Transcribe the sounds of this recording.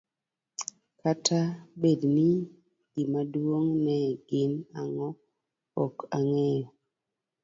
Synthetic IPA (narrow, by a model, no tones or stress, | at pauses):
katʰabedni | ɡ̥imadwoŋnɛɡɪnaŋɔ | ɔkaŋɛjɔ